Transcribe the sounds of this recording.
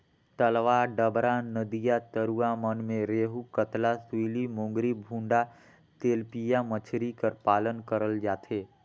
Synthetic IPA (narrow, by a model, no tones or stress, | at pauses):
t̪əlʋaɖəbɾanəd̪ijat̪əɾuamənmẽɾeːɦukət̪lasuilimõːŋɡɾibʱũɳɖa | t̪eːlpijamət͡ʃʰɾikəɾpaːlənkəɾəld͡ʒaːt̪ʰeː